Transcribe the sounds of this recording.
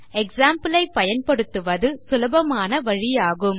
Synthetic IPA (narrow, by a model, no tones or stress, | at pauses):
ɛksaːmpɯlɐɪpːɐjɐnpɐɽɯt̪ːɯʋɐðɯsʊlɐbɐmaːnɐʋɐɻɪjaːɣɯm